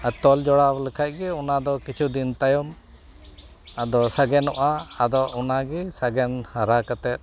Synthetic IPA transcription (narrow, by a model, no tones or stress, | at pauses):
at̪ɔld͡ʒɔɽablɛkʰac̚ˀɡɛɔnad̪ɔkit͡ʃʰud̪int̪ajɔm | ad̪ɔsaɡɛnɔʔaːd̪ɔʔɔnaɡɛsaɡɛnhaɾakat̪ɛt̪̚